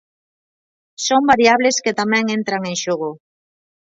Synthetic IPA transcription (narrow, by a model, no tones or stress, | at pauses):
sombaɾjaβ̞lesket̪amɛ̃ŋent̪ɾaŋẽŋʃoɣo